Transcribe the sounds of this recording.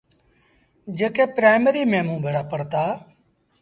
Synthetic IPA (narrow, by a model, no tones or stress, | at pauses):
d͡ʒeːkeːpɾaːɪməɾiːmẽːmũːbʱeːɽaːpəɽt̪aː